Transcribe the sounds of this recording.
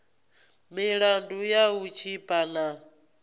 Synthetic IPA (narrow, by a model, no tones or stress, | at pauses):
miɺandujaut͡ʃʰipʼana